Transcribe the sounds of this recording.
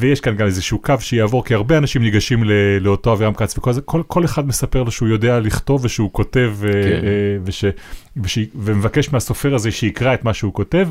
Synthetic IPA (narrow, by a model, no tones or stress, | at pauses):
vejeʃkanɡamezeʃukavʃejaːvo̞ʁkiaʁbeanaʃimniɡaʃimleleo̞to̞avamkat͡svekolzakolkʰo̞leχad̪mesape̞ʁlo̞ʃeujo̞de̞aliχto̞vːeʃeuko̞te̞v | veʃeveʃeivemevake̞ʃmeaso̞fe̞ʁazeʃeikʁae̞t̪maʃeuko̞te̞v